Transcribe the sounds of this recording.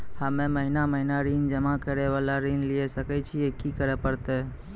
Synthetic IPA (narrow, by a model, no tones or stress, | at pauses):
həmeməɦinaməɦinaɾind͡ʒəmakəɾeʋalaɾinliɛsəkɛt͡ʃʰiekikəɾɛpəɾt̪ɛ